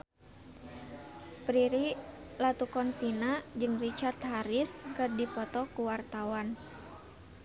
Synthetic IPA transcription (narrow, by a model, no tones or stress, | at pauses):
pɾiɾilat̪ukɔnsinad͡ʒɨŋrit͡ʃart̪̚ɦaɾiskɨrdipɔt̪ɔkuwart̪awan